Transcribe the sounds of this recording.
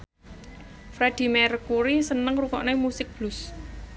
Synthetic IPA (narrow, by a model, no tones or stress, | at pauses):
fɾed̪̥i̤mɛrkuɾisənəŋrukɔʔnemusɪk̚b̥lʊs